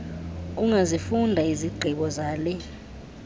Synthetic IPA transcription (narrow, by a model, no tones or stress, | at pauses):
uŋazifundʱaiziɡ͡ǀʱiɓɔzaːlɛ